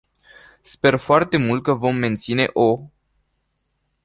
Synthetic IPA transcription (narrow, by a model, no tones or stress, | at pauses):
spe̞rfoart̪e̞mult̪̚kəvo̞mːe̞nt̪sine̞̰ʔo